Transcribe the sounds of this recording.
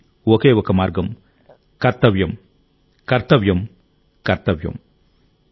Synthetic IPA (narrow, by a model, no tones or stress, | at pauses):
wɐkeːʋɐkɐmaːɾɡɐm | kɐɾt̪ɐʋjɐm | kɐɾt̪ɐʋjɐm | kɐɾt̪ɐʋjɐ̰m